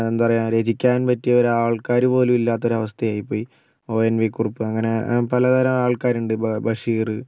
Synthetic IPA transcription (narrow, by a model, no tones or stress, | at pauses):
end̪upɐrɐjaːɾe̞d͡ʑikʲːaːnpɐtːijɐʋɐɾaːɭkaːɾubo̞ːlumilːaːt̪̬ːo̞ɾuɐʋɐst̪ʰɐjaːjipːo̞ːji | o̞ːenʋikuripːɨɐŋːɐne̞pɐlɐd̪ɐɾɐmaːɭkaːɾuɳɖɨbɐʂiːrɨ